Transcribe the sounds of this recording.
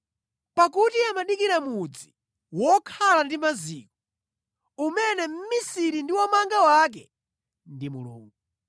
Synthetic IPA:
pakutiamaɗikiɾamud͡zi | wɔkʰalandimaziːk̚ɔ | umɛnɛm̩misiɾindiwɔmaŋɡawak̬ɛ | ndimṵlṵːŋɡu

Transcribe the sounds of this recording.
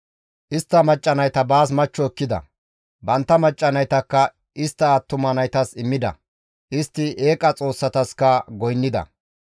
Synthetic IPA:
ʔɪst̪ːɐmɐt͡ʃʼːɐnɐjt̪ɐbaːs̬mɐt͡ʃːɔɛkːɪd̪ɐ̰ | bɐnt̪ːɐmɐt͡ʃʼːɐnɐjt̪ɐkːɐ | ɪst̪ːɐːt̪ːʊmɐnɐjt̪ɐsɪmːɪd̪ɐ̰ | ʔɪst̪ːɪʔe̞ːkʼɐt͡sʼo̞ːsːɐt̪ɐskɐɡɔjnːɪd̪ɐ̰

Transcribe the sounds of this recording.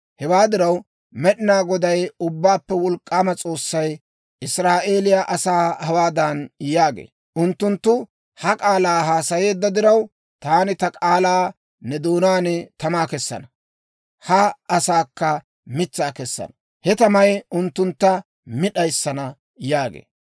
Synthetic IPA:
hɛwaːd̪ɪɾɐw | mɛɗɪnaːɡɔd̪ɐjʊbːaːpːɛwɔlkʼːaːmɐt͡sʼo̞ːsːɐj | ʔɪsɾaːʔe̞ːlɪjaʔɐsaːhɐwaːd̪ɐnjaːɡḛː | ʔʊnt̪ːʊnt̪ːʊ | hɐkʼaːlaːɦaːsɐje̞ːd̪ːɐd̪ɪɾɐw | t̪aːnɪt̪ɐkʼaːlaː | nɛd̪oːnaːnɛt̪ɐmaːkɛsːɐ̰nɐ | hɐɐsaːkːɐ | mɪt͡sːaːkɛsːɐ̰nɐ̥ | hɛt̪ɐmɐjʊnt̪ːʊnt̪ːɐ | mɪɗɐjsːɐnɐ | jaːɡḛː

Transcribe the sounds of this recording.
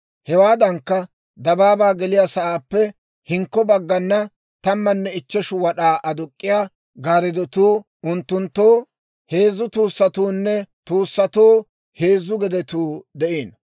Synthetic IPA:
hɛwaːd̪ɐŋkːɐ | d̪ɐbaːbaːɡɛlɪjasɐʔaːpːɛ | hɪŋkːɔbɐɡːɐnːɐ | t̪ɐmːɐnːɛɪt͡ʃːɛʃʊwɐɗaːʔɐd̪ʊkʼːɪjaː | ɡaːɾɪd̪ɔt̪uː | ʊnt̪ːʊnt̪ːoː | heːzːʊt̪uːsːɐt̪uːnːɛt̪uːsːɐt̪oː | heːzːʊɡɛd̪ɛt̪uːd̪ɛʔeːn

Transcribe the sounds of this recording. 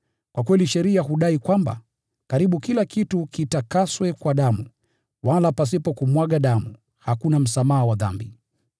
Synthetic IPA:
kwakwɛliʃɛɾiaɦuɗaikwamba̰ | kaɾiɓukilakitukitakaswɛkwaɗamu | walapas̬ipɔkumwaɠaɗamu | hakunam̩samaɦawaða̰mbi

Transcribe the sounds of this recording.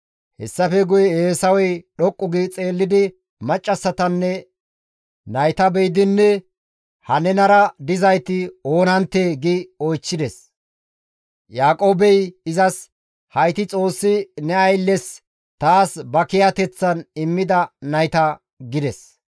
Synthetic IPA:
hɛsːɐfɛɡʊjɛeːsɐwɛjɗɔkʼːʊɡɪt͡sʼe̞ːlːɪd̪ɪ | mɐt͡ʃʼːɐsːɐt̪ɐnːɛ | nɐjt̪ɐbɛjd̪ɪnːɛ | hɐnɛnɐɾɐd̪ɪzɐjt̪ɪo̞ːnɐnt̪ːeːɡɪɔjt͡ʃːɪd̪ɛs | jaːkʼo̞ːbɛjɪzɐs | hɐjt̪ɪt͡sʼo̞ːsːɪnɛɐjlːɛs | t̪aːsbɐkɪjɐt̪ɛt͡sːɐnɪmːɪd̪ɐnɐjt̪ɐ | ɡɪd̪ɛs

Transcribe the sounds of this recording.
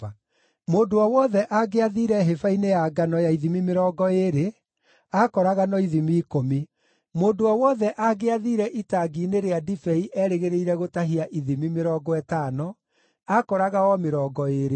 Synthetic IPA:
moːdoawɔðɛʔaɡeaðiːɾɛɦefainejaɡanɔjaiðimimeɾɔɡɔeɾe | akɔɾaɣanɔiðimiːkomi | moːdoɔwɔðɛʔaɡeaðiːɾɛʔitaɡiːneɾeadifɛiʔɛːɾeɣeɾeiɾɛɣotaɦiaʔiðimimeɾɔːɡɔɛtaːnɔ | akɔɾaɣaɔmeɾɔːɡɔeːɾe

